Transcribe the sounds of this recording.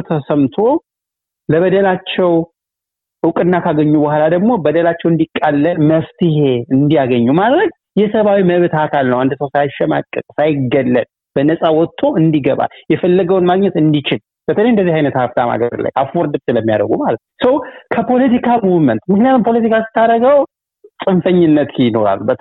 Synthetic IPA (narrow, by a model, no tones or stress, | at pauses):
t̪ʰəsəmt̪ʰo̞ | ləβəd̪əlat͡ʃːɛw | ʔɨwkʼɨnːakaɡəɲːubəhalad̪əɡmo̞bəd̪əlat͡ʃːɛwɨnd̪ikʼːalːəməft̪ʰɪɦe̞ɨnd̪ijaɡəɲːumalɾəɡ | jɛsəβawiməβɨt̪ʰakʰalnəwand̪səwsajʃɛma̰kʼːɨkʼsajɪɡəlːəl | b̥ənəsʼawɔt̪ʰːo̞ɨnd̪iɡəβa̰ljɛfəlːəɡəwnmaɡɲɛt̪ɨnd̪it͡ʃɪl | b̥ət̪ʰəlejɨnd̪əzːihajnət̪haft̪ʰama̰ɡə̰ɾɨla̰jʔafoɾd̪ɨbsɨləmːija̰d̪ə̰ɡumalət̪nsəwkʰəpʰo̞lət̪ikʰamuvɨmənt̪mɨknijat̪umpʰo̞lət̪ikʰasɨ̥t̪ʰːaɾəɡəw | sʼɨmfəɲːɪnːət̪jɪno̞ɾa̰lbət̪ʰ